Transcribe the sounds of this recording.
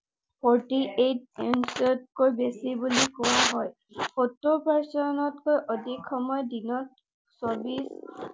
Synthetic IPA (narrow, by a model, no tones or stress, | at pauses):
pʰɔɹʈiʔetensɔt̚kojbesibulikɔwaɦɔj | xotːopaɹsɔnɔtkojʔɔdikʰːɔmɔjdinɔt | sɔɹbis